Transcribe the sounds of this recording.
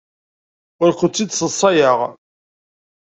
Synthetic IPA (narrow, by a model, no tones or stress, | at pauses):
ʊɾqət͡sːid̪səsˤːɑjəʁ